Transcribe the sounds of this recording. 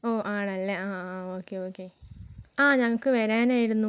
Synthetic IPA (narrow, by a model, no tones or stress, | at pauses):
oːʔaːɳɐlːɐaːoːkːeoːkːe | aːɲɐŋːɐɭkɨʋɐɾaːnaːjiɾunːu